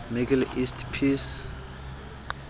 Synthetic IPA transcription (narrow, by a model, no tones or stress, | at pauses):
miɡɛlistʰpʰis